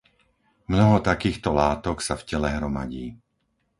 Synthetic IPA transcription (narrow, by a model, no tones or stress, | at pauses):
mnɔɦɔt̪akiːxt̪ɔlaːt̪ɔksafcɛlɛɦɾɔma̰ɟiː